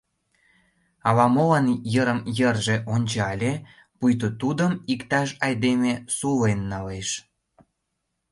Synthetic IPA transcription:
ɑlɑmolɑnjəɾəmjərʒeʔonʲt͡ɕɑlʲe | pujt̪̬ot̪ud̪əmikt̪ɑʃ̬ɑjd̪emesulenːɑleʃ

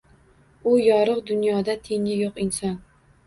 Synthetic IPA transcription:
ʊjɒɾɨqd̪ʊnjɒd̪at̪ʰe̞ŋɪjoqɪnsɒn

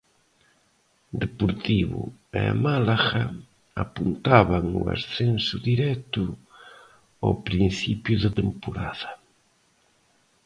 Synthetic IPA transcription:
d̪epoɾt̪iβʊ̰ḛmalaɣa | apunt̪aβaŋua̰sθensʊðiɾɛt̪ʊ | awpɾin̟θipjuðet̪empoɾa̰ðɐ

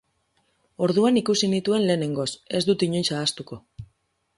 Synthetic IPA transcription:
o̞ɾðuanikusinit̪ue̞nle̞ːne̞ŋɡo̞se̞zd̪ut̪iɲo̞jsaːst̪uko̞

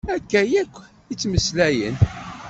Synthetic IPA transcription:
ækːæjækʷː | it͡sːməslæjə̰n

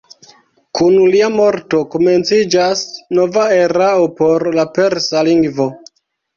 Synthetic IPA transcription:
kʰunliamo̞ɾto̞kome̞nt͡sid͡ʒasnovae̞ɾaopo̞ɾlape̞ɾsaliŋɡvo

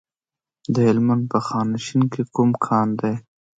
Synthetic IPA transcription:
d̪əhɪlmand̪̚pəxɑːnaʃinkekumkʰɑnd̪aj

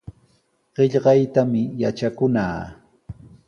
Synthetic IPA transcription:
ɢ̥ɪʎɢɑjt̪amɪjat͡ʃakʊnaː

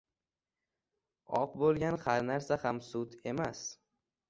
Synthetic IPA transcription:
ɒ̰qbolˠɡʲanhaɾnaɾsahamsʊt̪e̞mas

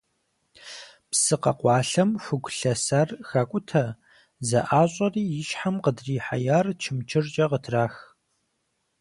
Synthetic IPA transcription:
psɨqɐ̰qʷɑːɬɐmfɨɡʷɬɐsɐrxɐkʷʼʊtʰɐ | zɐʔaːɕʼɐriːjɪʃħamqədriːħa̰jaːrt͡ʃʰɪmt͡ʃʰɪrt͡ʃʼɐqətʰraːx

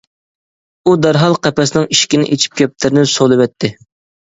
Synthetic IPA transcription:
ud̪æɾɦɑlˠqɛpɛsnɪŋiʃkʲinɪ̰ʔet͡ʃʰi̥p̚kʲʰɛp̚t̪ʰɪɾɪnɪsolˠɨvɛt̪ʰːɪ

